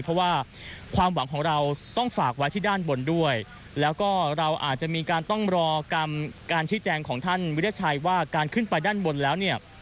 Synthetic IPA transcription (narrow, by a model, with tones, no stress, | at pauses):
pʰɔ˦˥waː˥˩ | kʰwaː˧mwa˩˦ŋkʰɔː˩˦ŋɾa˧wt̪ɔ˥˩ŋfaː˨˩k̚wa˦˥jt̪ʰiː˥˩daː˥˩nbo˧ndu˥˩əj | lɛː˦˥wkɔː˥˩ɾa˧wʔaː˨˩t̪̚t͡ɕa˨˩miː˧kaː˧nt̪ɔ˥˩ŋɾɔː˧ka˧mkaː˧nt͡ɕʰiː˦˥t͡ɕɛː˧ŋkʰɔː˩˦ŋt̪ʰa˥˩nwi˦˥a˦˥t͡ɕʰa˧jwaː˥˩kaː˧nkʰɯ˥˩npa˧jdaː˥˩nbo˧nlɛː˦˥wni˥˩ɐ